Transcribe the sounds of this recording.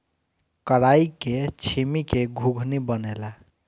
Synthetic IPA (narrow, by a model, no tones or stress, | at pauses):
kəɽaiket͡ʃʰimikeɡʱuɡʱnibənela